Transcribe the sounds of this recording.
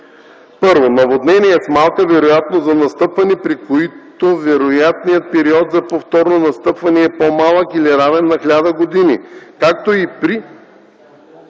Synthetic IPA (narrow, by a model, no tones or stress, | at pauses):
pɤɾvonɐvod̪nɛniɛsmalˠkəvɛɾojat̪nozɐnɐst̪ɤpvɐnipɾikoit̪ovɛɾojat̪nijət̪̚pɛɾiɔt̪zɐpoft̪ɔɾnonɐst̪ɤpvɐnɛɛpomalˠəkiliɾavɛnːɐxlʲad̪əɡod̪inḭkak̚t̪oipɾi